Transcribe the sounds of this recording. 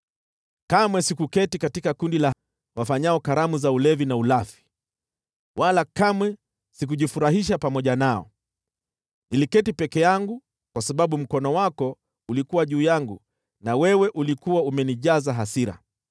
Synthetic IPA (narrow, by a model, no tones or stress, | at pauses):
kamwɛsikukɛtikatikakundila | wafaɲaɔkaɾamuzaulɛvinaulafi̥ | walakamwɛ | sikuʄifuɾaɦiʃapamɔʄanaɔ̰ | nilikɛtipɛkɛjaŋɡu | kwasaɓaɓum̩kɔnɔwakɔ | ulikuwaʄuːjaŋɡu | nawɛwɛʔulikuwaumɛniʄazaɦasiɾa̰